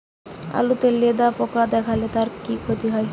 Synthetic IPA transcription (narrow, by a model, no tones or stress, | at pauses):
a̰lut̪eled̪apɔkad̪ɛkʰalet̪aɾkikʰot̪iɦɔj